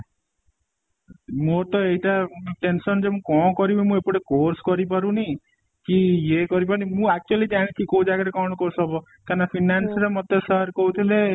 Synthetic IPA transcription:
mot̪ɔeɦiʈaʈensɔnd͡ʒemũkɔ̃kɔɾibemũepuʈekoɾskɔɾipaɾũni | kijekɔɾip̬aɾunimũak̚t͡ʃualid͡ʒaɽ̃it͡ʃʰikõũd͡ʒaɡaɾekɔɽ̃ɔkoɾsɔbɔ | kaɾnapʰinansɾemɔt̪esəɦɾkout̪ʰile

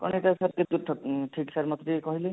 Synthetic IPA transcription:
kɔ̰ñeʈasat̚ket̪ut̪ʰːɔʈʰiksaɾmɔt̪ɾikɔɦili

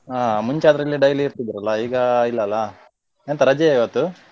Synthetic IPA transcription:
aːmuɲt͡ʃaːd̪ɐɾɐlːiɖɐjliːɾt̪id̪iɾɐlːɐiːɡɐilːɐːlːɐ | ent̪ɐɾɐd͡ʒeiʋɐt̪ːu

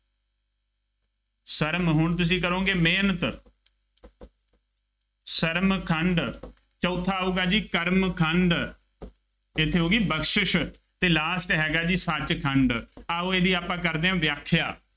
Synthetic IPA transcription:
səɾmɦʊɳt̪̬ʊs̬ĩːk̬əɾõːɡeːmeːnət̪ | səɾmkʰəɳɖ | t͡ʃɔːt̪ʰːaːuːɡaːd͡ʒiːkəɾmkʰəɳɖ | ɪt̪ʰːeːɦoːɡiːbəkʃɪʃ | t̪eːlaːsʈɦɛːɡaːd͡ʒiːsət͡ʃkʰəɳɖaːoːeːd̪iːaːpãːkəɾd̪eːɦãːʋjaːkʰːjaː

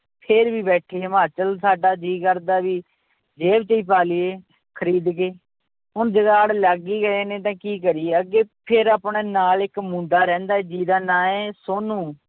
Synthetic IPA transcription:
pʰɪɾbiːbɛːʈʰeːmãːt͡ʃəlsaːɖaːd͡ʒiːkəɾd̪aːʋiː | d͡ʒeːbt͡ʃəiːpaːlieː | kʰəɾiːd̪keː | ʊnd͡ʒəɡaːɽləɡiːɡəeːnẽːt̪̬ãːkiːk̬əɾiːeəɡeːpʰɪɾaːpɳeːnaːlɪkmũːɳɖaːɾɛ̃ːnd̪aːɛːd͡ʒiːd̪aːnaːẽːsoːnũː

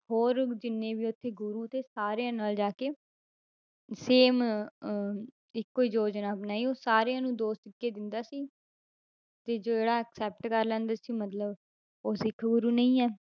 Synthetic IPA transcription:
ɦoːɾd͡ʒɪnːẽːʋiːʊt̪ʰːeːɡʊɾuːt̪eːsaːɾejãːnaːld͡ʒaːkeː | seːm | ɪkːoːiːd͡ʒoːd͡ʒnaːpnaːiːoːsaːɾeãːnũːd̪oːst̪ɪkːeːd̪ɪnd̪aːsiː | t̪eːd͡ʒoːd͡ʒeːɽaːəksɛːp̚ʈkəɾlɛ̃ːnd̪aːsiːmət̪ləb | oːsɪkʰːɡʊɾuːnə̃ĩːɛː

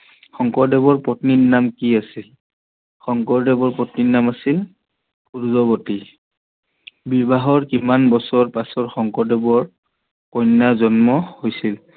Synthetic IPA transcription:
xɔŋkɔɹdɛbɔɹpɔtnitnamkiasil | xɔŋkɔɹdɛbɔɹpɔtnitnamasil | kuɹzɔboti | biɹbaɦɔɹkimanbɔsɔɹpasɔɹxɔŋkɔɹdɛbɔɹ | kɔjnːazɔnmɔhojsil

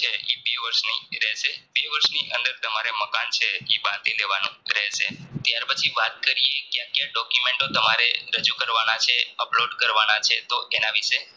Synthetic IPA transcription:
t͡ʃʰeibeʋəɾʃniɾɛɦʃebeʋəɾʃniʔənd̪əɾt̪əmaɾeməkant͡ʃʰeibãnt̪ileʋanũɾəɦeʃet̪jaɾpət͡ʃʰiʋat̪̚kəɾiekjãkːjãɖɔkjumẽɳʈot̪əmaɾeɾəd͡ʒukəɾʋanat͡ʃʰeəploɖkəɾʋanat͡ʃʰet̪oʔenaʋiʃe

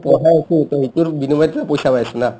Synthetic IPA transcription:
pɔɦajakit̪ɔɦituɹbinubajtapojsapajsɛna

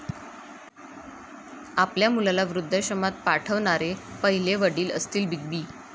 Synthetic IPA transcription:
apljamulalaʋɾud̪ʱːəɕəmat̪̚paʈʰəʋɳaɾepəɦileʋəɽiːləst̪iːlbiɡ̚biː

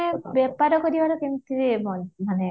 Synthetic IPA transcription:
bɛpaɾɔkoɾibaɾɔkemt̪iɾemɔnmane

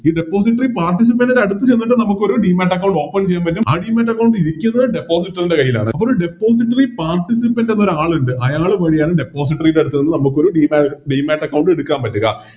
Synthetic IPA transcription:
iːɖepːo̞ːs̬iʈːɐripaːrʈːis̬ipːɐnɐɾɐɽut̪ːɨt͡ɕejnːiʈ̬ːɨnɐmukːɨo̞ɾuɖiːmaːʈːɐk̬ːɐwɳɖo̞ːpːɐnt͡ɕe̞jːaːmpɐtːuma̰ːɖiːmaːʈːɐkːɐwɳɖiɾikʲːunːɐðɨɖe̞pːo̞ːs̬iʈːɐrinde̞kɐjːila̰ːɳɨ̰ɐpːoːɾouɖe̞pːo̞ːs̬iʈːɐripaːrʈisipːɐndenːo̞ɾuaːɭuɳɖɨʔɐjaːɭɨʋɐɻijaːnɨɖe̞pːo̞ːs̬iʈːɐrilɐɽut̪ːuenːɨnɐmukːo̞ɾuɖiːmaɖiːmaːʈːɐkːɐwɳɖɨeɽukːaːnpɐtːuɣɐ̰

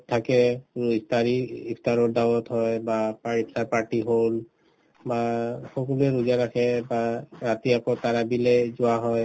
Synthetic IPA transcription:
tʰakɛiptaɹiipʰtaɹɔɹdawɔthɔjbapaɹipʰtaɹpaɹʈiɦol | baxɔkɔluɛɹuzaɹaxʰɛbaɹatiakɔtaɹabilɛzʊaɦɔj

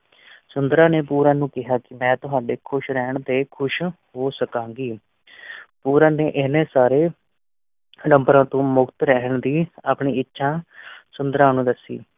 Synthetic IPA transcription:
sʊnd̪ɾãːneːpuːɾãːnũːkɪɦaːkɪmɛ̃ːt̪ʊɦaːɖeːkʰʊʃɾɛːɳd̪eːkʰʊʃɦoːsəkãːŋɡiː | puːɾãːneːʔɪnẽːsaːɾeː | ɖə̃mbɾãːt̪õːmʊkt̪ɾɛːəɳd̪iːaːpɳiːɪtːʃʰãːsʊnd̪əɾãːnũːd̪əsːḭː

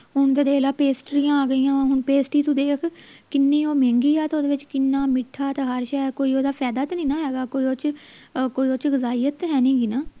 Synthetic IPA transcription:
ɦʊɳt̪ed̪eːlaːpeːsʈɾijãːaːɡəiːãːɦʊɳpeːsʈiːt̪ũːd̪eːkʰkɪnːĩːoːmɛ̃ːŋɡiːɛːt̪oːd̪eːʋɪt͡ʃkɪnːaːmɪʈʰːaːt̪eɦəɾʃɛkoːiːoːd̪aːpʰɛːd̪aːt̪nĩːnãːɦɛːɡaːkoːiːoːt͡ʃkoːiːot͡ʃɡəzaːiːjət̪ɦɛːnĩːɡiːnaː

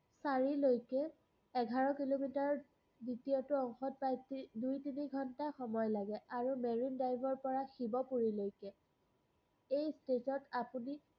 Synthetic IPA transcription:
saɹilojkɛ | ɛɡʱaɹɔkilomitaɹ | ditijɔtʊɔŋxɔt̚pɹajtidujtiniɡʱɔntaxɔmɔjlaɡɛaɹumeɹindajbʱɔɹpɔɹaxibɔpuɹilojkɛ | ejstetɔtapuni

